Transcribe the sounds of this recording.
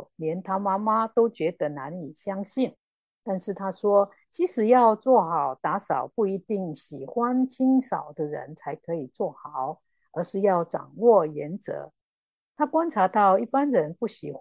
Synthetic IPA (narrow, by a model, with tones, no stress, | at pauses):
ljɛ˧˥nt̪ʰa˥ma˥ma˦t̪o˥ʊt͡ɕɥɛ˧˥d̪ə˧˦na˧˥ni˨˩ɕjɑ˥ŋɕi˥˩n | t̪a˥˧nʂɻ̩˥˩t̪ʰa˥ʂwɔ˥ | t͡ɕʰi˧˥ʂɻ̩˨˩jɑ˥˧ʊt͡swɔ˥˩xɑ˨˩ʊt̪a˧˥sɑ˨˩ʊpu˥˩i˧˥t̪i˥˩ŋɕi˨˩xwa˦nt͡ɕʰi˥ŋsɑ˨˩ʊd̪ə˦ɻə̰˧˦nt͡sʰa˧˥ɪkʰɤ˧˥i˨˩t͡swɔ˥˩xɑ˨˩˦ʊ | ə˧˥ʂɻ̩˥˧jɑ˥˩ʊʈ͡ʂɑ̰˨˩ŋwɔ˥˩jɛ˧˦˥nt͡sɤ̰˧˥˦ | t̪ʰa˥kwa˥nʈ͡ʂʰa˧˥t̪ɑ˥˧ʊi˥˩pa˦nɻə˧˦˥npu˥˩ɕi˨˩x